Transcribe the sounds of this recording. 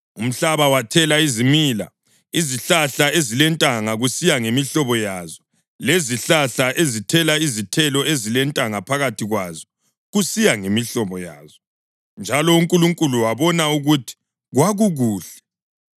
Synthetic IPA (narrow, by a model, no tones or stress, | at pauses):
um̩ɬaβawatʰɛlaizimila̰ | iziɬaɬaezilɛntʼaŋaɣusijaŋemiɬɔβɔjazɔ | leziɬaɬaʔezitʰɛlaizitʰɛlɔezilɛntʼaŋapʰaɣatʰiɣwazɔ | ɣusijaŋemiɬɔβɔja̰ːzɔ | nd͡ʒʱalɔuŋkʼuluŋkʼuluwaβɔnauɣutʰi̥ | ɣwaɣuɣuːɬɛ̥